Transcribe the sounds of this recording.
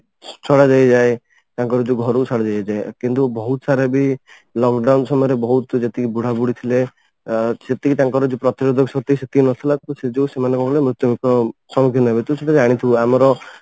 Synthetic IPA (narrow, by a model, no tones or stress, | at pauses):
t͡ʃʰɔɽad͡ʒajd͡ʒae | t̪aŋkɔɾɔd͡ʒuɡʱɔɾɔsʰaɽad͡ʒajad͡ʒaekint̪ubɔɦut̪ɔsaɾabi | lɔkɖawnsɔmɔjɔɾebɔɦut̪d͡ʒet̪ikibuɽ̤abuɽit̪ʰile | set̪ikit̪aŋkɔɾɔd͡ʒepɾɔt̪iɾod̪ʱɔksɔt̪iiset̪ʰinɔt̪ʰilakiused͡ʒewsemanɔ̃kɔkɔlemɾut̪jɔmikɔsɔmɔkʰjɔnɔbet̪useʈ̪ʰad͡ʒaɽ̃it̪ʰibuamɔɾɔ